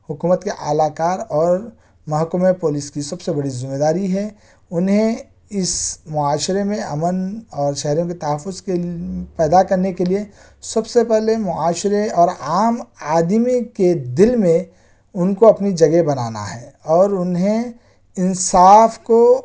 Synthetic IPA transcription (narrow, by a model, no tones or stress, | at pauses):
hʊkuːmət̪keʔa̰ːlaːkaːɾɔːɾ | mɐɦkəmepoːliskisɐbsebɐɽizɪmeːd̪aːɾiɦɛː | ʊnɦẽ | ɪsmʊaːʃɾemẽɐ̰mənɔːɾʃɛɦɾijõket̪ɐɦəfːʊzkepɛːd̪akɐɾnekelie | sɐbsepɛɦlemʊaːʃɾeɔːɾaːmaːd̪miked̪ɪlmẽ | ʊnkoɐpnid͡ʒɐɡebɐnaːna̰ɦɛːɔːɾʊnɦẽ | ɪnsaːfko